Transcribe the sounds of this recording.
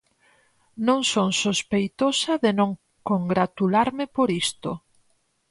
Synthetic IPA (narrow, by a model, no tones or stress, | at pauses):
nõŋsoŋsospejt̪osɐðɪnõŋ | koŋɡɾat̪ulaɾmɪpoɾist̪o̰